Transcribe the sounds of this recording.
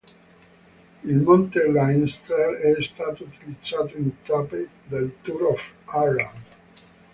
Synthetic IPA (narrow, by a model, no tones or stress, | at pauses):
ilmont̪elajnst̪ɛɾɛst̪aːt̪out̪ilid̪zaːt̪oint̪api | d̪elt̪uɾɔfalãnd̪